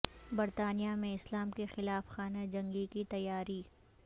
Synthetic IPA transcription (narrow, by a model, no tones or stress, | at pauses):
bɐɾt̪aːnijamẽɪslaːmkexɪlaːfxaːnad͡ʒɐ̃ŋɡikit̪ɐjːaːɾiː